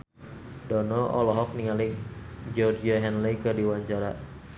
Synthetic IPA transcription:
dɔnɔʔɔ̰lɔɦɔk̚niŋalid͡ʒɔrd͡ʒiaɦɛnlikɨrdiwaɲt͡ʃaɾa̰

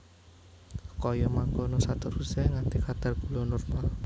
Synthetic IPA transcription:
kɔjɔmaŋkɔnɔsat̪ɔɾusɛŋant̪ikat̪arɡ̥ulɔnɔrmal

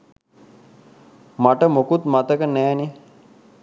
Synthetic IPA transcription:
maʈəmokut̪mat̪əkənɛːni

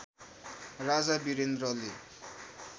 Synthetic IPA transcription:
rad͡zabiɾend̪rʌle

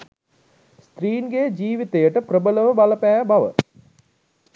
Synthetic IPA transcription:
st̪ɾiːnɡejd͡ʒiːʋit̪ejəʈəprəbələʋəbaləpæːbaʋə̰

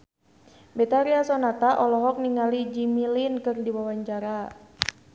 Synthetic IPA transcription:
bet̪aɾiasɔnat̪aʔɔlɔɦɔk̚niŋalid͡ʒimilinkɨrdiwawaɲt͡ʃaɾa

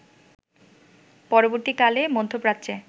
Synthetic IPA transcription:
pɔɾoboɾt̪ikalemod̪ʱːopɾat̪ːɕʰe

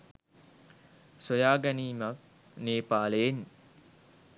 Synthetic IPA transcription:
sojaːɡæniːmak̚ | neːpaːləjen

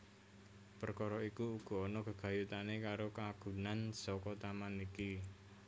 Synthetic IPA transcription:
pərkɔɾɔikuːɡ̥ɔ̤ːnɔɡ̥ə̤ɡ̥a̤jut̪anekaɾokaɡ̥ṳnansɔkɔt̪amaniki

